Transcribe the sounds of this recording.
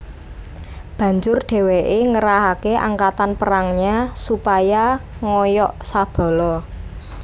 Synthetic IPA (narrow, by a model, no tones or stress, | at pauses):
b̥ä̤ɲd͡ʒʊrɖ̥e̤weʔeŋəɾaɦakeʔa̰ŋkat̪anpəɾaŋɲasupajaŋɔjɔʔsab̥ɔ̤lɔ